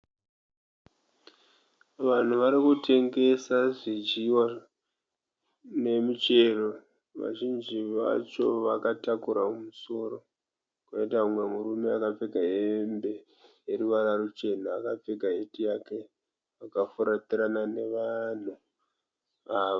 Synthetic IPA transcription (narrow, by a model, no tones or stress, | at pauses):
ʋan̤uʋaɾikutʰe̞ŋɡe̞saʐit͡ʃiwa | ne̞mit͡ʃe̞ro | ʋa̰ʒind͡ʒiʋa̰t͡ʃo̞ʋakatakuɾaumuso̞ro̞ | kuaitamwe̞murume̞akap͡feɡʱaɦembe̞ | jeruʋaɾarut͡ʃe̞n̤aːkap͡feɡaɦetijake̞ | akafuɾatiɾanane̞ʋan̤u | aːʋo